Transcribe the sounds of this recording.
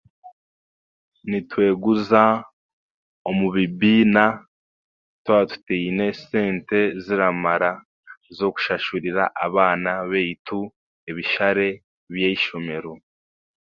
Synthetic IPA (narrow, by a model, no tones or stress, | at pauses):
nitwe̞ːɡuza | omuβibiːna | twatu̥teine̞seːnte̞ziɾamaɾa | zo̞ku̥ʃaʃuɾiɾa̰ʔaβaːnaβeitu | eβiʃaɾe̞ | βjeiʃo̞me̞ɾo